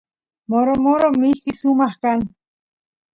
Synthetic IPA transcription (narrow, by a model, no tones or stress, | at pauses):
moɾomoɾomihkisumahkan